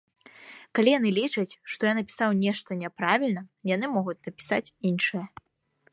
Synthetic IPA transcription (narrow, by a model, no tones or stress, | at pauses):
kalʲijanɨlʲit͡ʂɐt͡sʲʂt̪ɔjanɐpʲi̥sawnʲɛʂt̪ɐnʲɛpɾavʲilʲnɐjan̪ɨmɔɣut͡sʲnɐpʲi̥sa̰t͡sʲinʂɨjɐ